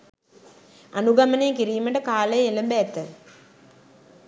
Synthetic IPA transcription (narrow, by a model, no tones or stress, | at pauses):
ɐnuɡɐmɐneːkiɾijɐmɐʈɐkaːlejelɐmbeːt̪ːɐ